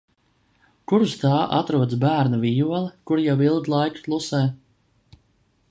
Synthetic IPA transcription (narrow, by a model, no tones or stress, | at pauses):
kuɾst̪aːʔa̰t̪ɾuɔd̪sbæːɾnavijuɔlˠikuɾjawilˠd̪lˠajkplˠusɛː